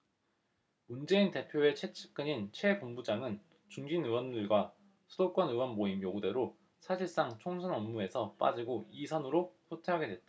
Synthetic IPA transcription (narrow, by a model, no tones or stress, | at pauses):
mund͡ʑe̞inte̞pʰjoe̞t͡ɕʰe̞t͡ɕʰɯ̥k͈ɯɲint͡ɕʰwe̞pombud͡ʑaŋɯn | t͡ɕuŋd͡ʑinɯwʌndɯɭɡwa | sʰɯdok͈ʌnɯwʌnmoimjoɡude̞ɾo | sʰaɕʰiɭs͈aŋt͡ɕʰoŋsʰanʌmːue̞sʰʌp͈a̰d͡ʑiɡoisʰanɯɾopʰotʰeɦaɡe̞dwe̞t̚t͈aa